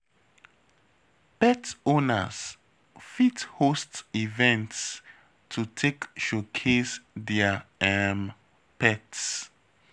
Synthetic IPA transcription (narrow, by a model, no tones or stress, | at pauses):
pɛtonə̰s | fithostivɛ̃nts | tʰutʰekʃokʰesdɛaɛm | pɛts